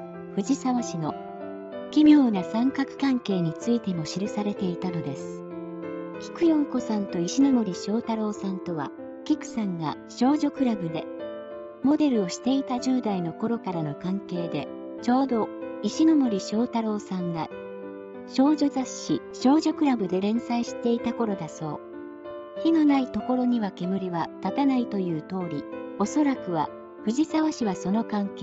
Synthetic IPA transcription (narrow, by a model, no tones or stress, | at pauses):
ɸɯ̟d͡ʑisaβaɕino̞ | kʲimʲo̞ːnasãŋkakɯ̟̥kãŋke̞ːɲ̟it͡sɨit̪e̞mo̞ɕiɾɯ̟saɾe̞t̪e̞it̪ano̞d̪e̞sɨ̥ | kʲi̥kɯ̟jõ̞ŋko̞sãnt̪o̞iɕino̞mo̞ɾʲiɕo̞ːt̪aɾo̞ːsãnt̪o̞βa̰ | kʲikɯ̟̥sãŋɡa̰ | ɕo̞ːʑo̞kɯ̟ɾabɯ̟d̪e̞ | mo̞d̪e̞ɾɯ̟o̞ɕi̥t̪e̞it̪aʑɯːd̪aino̞ko̞ɾo̞kaɾano̞kãŋke̞ːd̪e̞ | t͡ɕo̞ːd̪o̞iɕino̞moɾʲiɕo̞ːt̪aɾo̞ːsãŋɡa | ɕo̞ːʑo̞zaɕi | ɕo̞ːʑo̞kɯ̟ɾabɯ̟d̪e̞ɾẽ̞ɰ̃saiɕi̥t̪e̞it̪ako̞ɾo̞d̪aso̞̰ː | çino̞nait̪o̞ko̞ɾo̞ɲ̟iβake̞mɯ̟ɾʲiβat̪at̪anait̪o̞jɯ̟ːt̪o̞ːɾʲio̞so̞ɾakɯ̟βa̰ | ɸɯ̟ʑisaβaɕiβaso̞no̞kãŋkeː